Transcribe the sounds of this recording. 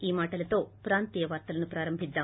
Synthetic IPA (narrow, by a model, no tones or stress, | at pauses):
iːmaːʈɐlɐt̪o̞ːpɾaːnt̪iːjɐʋaːɾt̪ɐlɐnupɾaːɾɐmbʱid̪ːaː